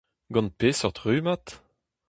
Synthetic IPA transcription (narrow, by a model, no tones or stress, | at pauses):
ɡɑ̃npeːsɔʁt̪ʁyːmat̪